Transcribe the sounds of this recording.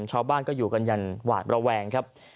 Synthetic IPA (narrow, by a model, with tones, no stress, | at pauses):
mt͡ɕʰaː˧wbaː˥˩nkɔː˥˩juː˨˩ka˧nja˧nwa̰ː˨˩t̪̚ɾa˧wɛː˧ŋkʰa˦˥p̚